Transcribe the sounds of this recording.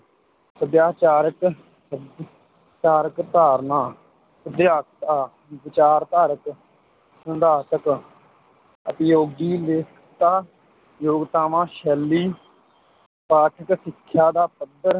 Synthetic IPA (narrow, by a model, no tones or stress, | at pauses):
pəd̪jaːt͡ʃaːɾək | t͡ʃaːɾəkt̪aːɾnaː | pəd̪jaːkt̪aː | bɪt͡ʃaːɾt̪aːɾək | sənd̪aːt̪ək | əp̪joːɡiːleːkʰ | t̪aː | joːɡt̪aːmãːʃɛːlːiː | paːʈʰəksɪkʰːjaːd̪aːpəd̪əɾ